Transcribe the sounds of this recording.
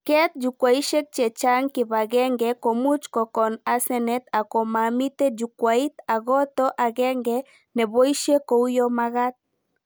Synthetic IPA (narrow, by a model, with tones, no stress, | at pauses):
kɛ˦t̪̚d͡ʒu˨kwa˨i˦ʃe˦k̚t͡ʃɛ˨t͡ʃa˦ŋkɪ˨βa˨ɣɛ˦ŋɡɛko˨mu˦t͡ʃkɔ˨kɔ˨na˨sɛ˦nɛ˦t̪a˨kɔ˨mami˦t̪e˦d͡ʒu˨kwai˦t̪a˨ɣɔ˦t̪ɔ˦ʔa˨ɣɛ˦ŋɡɛ | nɛ˨bo˦i˦ʃe˦ko˨u˦jɔ˦ma˦ɣa˦t̪̚